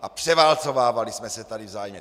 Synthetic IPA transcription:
ʔapr̝̥ɛvaːlt͡sovaːvalismɛsɛt̪adivzaːjmɛ

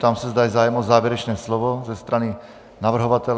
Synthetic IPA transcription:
t̪amsazd̪ajɛzaːjɛmɔzaːʋɛɾɛt͡ʃnɛːslɔʋɔzɛst̪ɾani | naʋr̩ɦɔʋat̪ɛl

